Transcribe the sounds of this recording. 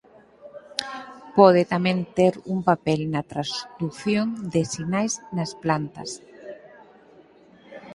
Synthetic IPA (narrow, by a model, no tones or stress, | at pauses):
pɔðɪt̪amɛ̃nt̪eɾumpapɛlnɐt̪ɾasd̪uθjond̪ɪsinajznasplant̪ɐ̰s